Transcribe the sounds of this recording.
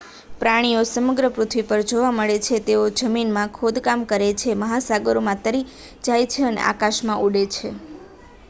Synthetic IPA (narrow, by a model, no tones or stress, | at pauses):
pɾaɽ̃iosəməɡɾəpɾut̪ʰʋipəɾd͡ʒoʋaməɭet͡ʃʰet̪eod͡ʒəminmãkʰod̪kamkəɾet͡ʃʰeməɦasaɡəɾomãt̪əɾi | d͡ʒajt͡ʃʰeənḛʔa̰kaʃmãʔuɽet͡ʃʰe